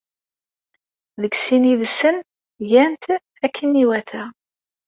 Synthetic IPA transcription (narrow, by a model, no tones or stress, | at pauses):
ðəɡsiniðsən | jænt̪ | ækʰːəniwæθæ